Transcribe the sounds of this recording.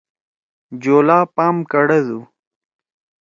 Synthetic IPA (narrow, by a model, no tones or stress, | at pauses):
d͡ʑoːlaːpaːmkɐɽɐd̪u